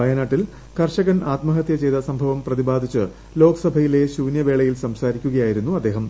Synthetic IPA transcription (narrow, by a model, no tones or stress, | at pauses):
ɐjɐnaːʈːil | kɐrʂɐɣɐnaːt̪mɐɦɐt̪jɐt͡ɕejd̪ɐsɐmbʱɐʋɐmprɐðibaːd̪ʱit͡ɕːɨ | lo̞ːkɐsɐbʱɐjile̞ɕuːnjɐʋeːɭɐjilsɐmsaːɾikʲːuɣɐjaːjiɾunːuɐd̪ːe̞ːɦɐm